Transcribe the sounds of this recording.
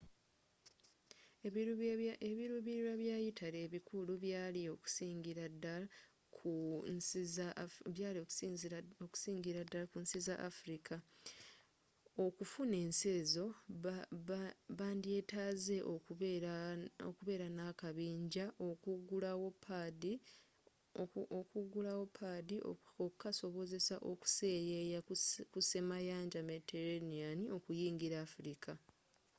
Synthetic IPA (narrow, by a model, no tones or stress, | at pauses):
eβiɾuβiɾiɾaβjaːjitʰale̞ːβikuluβjaːlio̞ku̥siːŋɡiɾadala | kʰu | zβjaːliozoku̥siːŋɡiɾadalakunsizaʔafuɾikʰa | okufune̞ːnse̞ːzo̞ | βaːndie̞ːtaːze̞ʔo | o̰kuβe̞ːɾanakaβiːɲɟaʔokuɡulawo̞pʰadi | kuɡulawo̞pʰːadio̰okukaso̞βo̞ze̞saʔo̞ku̥sejejakuse̞majaːɲɟameteɾenianio̞kujiːŋɡiɾaːfuɾikʰa